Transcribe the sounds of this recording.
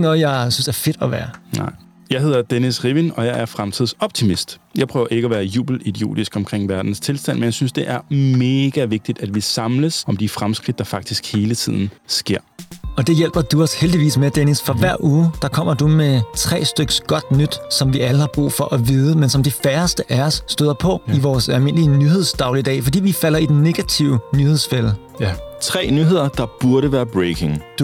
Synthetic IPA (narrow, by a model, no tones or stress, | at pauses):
nɔ̽ːð̩ˠjɑ̈ɪsynsd̥eæɐfe̝d̥ɒʋæːɐnɑ̰ | jɑ̈ɪhe̝ð̞̰ˠɐd̥enisʁiʋinɒ̽jɑ̈ɪæɐfʁamt͡sʰið̞̰ˠɒ̽b̥̚t͡sʰimisd̥jɑ̈ɪpʰʁœʊɐʔe̝ɡ̥əæʋæːɐjṵːb̥l̩id̥io̝̰ːd̥isɡ̥ɒ̽mkʰʁeŋ̰ʋæɐd̥n̩st͡sʰe̝lsd̥æn̰menjaɪsynsd̥e̝ʔæɐme̝ːɡ̥æʋe̝ɡ̥̚d̥id̥æd̥ʋisɑ̈mləsɒ̽md̥ifʁamsɡ̥ʁid̥ːɑ̈fɑ̈ɡ̥̚d̥isɡ̥he̝ːlət͡sʰið̰ˠn̩sɡ̥e̝ɐ̰ɒ̽d̥e̝jel̰b̥ɐd̥uɒ̽sheld̥iʋḭːsmed̥enisfɒ̽ʋæɐ̰ʔuːd̥ɑ̈kʰɒ̽m̰ɐd̥umet͡sʰʁɛ̰ːsd̥øɡ̥ə̥sɡ̥ɒ̽d̥nyd̥sɒ̽mʋiʔæləhɑ̈b̥ʁṵːfɒ̽ʔæʋiːð̞ˠəmensɒ̽md̥efæɐsd̥əʔæɒsːd̥øðˠɐpʰɒ̽iʋɒːsælme̝n̰əliənyhe̝ð̞̰ˠsd̥ɑ̈ʊlid̥ɛ̰ːfɒd̥ḭːʋifæl̰ɐid̥enːe̝ɡ̥æt͡sʰiʊənyhe̝ð̰ˠsfel̰ | t͡sʰʁɛ̰ːnyɦe̝ð̞̰ˠɐd̥ɑ̈b̥uɐɾəʋæːɐb̥ʁekʰe̝ŋ